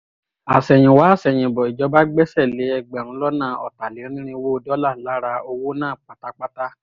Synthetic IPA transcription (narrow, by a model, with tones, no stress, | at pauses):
a˨sɛ˨j̃ĩ˨wa˨˦˨sɛ˨j̃ĩ˨bɔ˨i˨d͡ʒɔ˨˧˦ba˦ɡ͡bɛ˦sɛ˦˨le˨˦ɛ˧ɡ͡bɛ˨ɾ̃ũ˧˦lɔ˦nãː˦˨ɔ̰˨ta˨le˨˦nĩ˦ɾ̃ĩ˦wo˦˧dɔ˦la˦˨la˨˦ɾa˧o˧wo˦nãː˦˨k͡pa˨ta˦k͡pa˦ta˦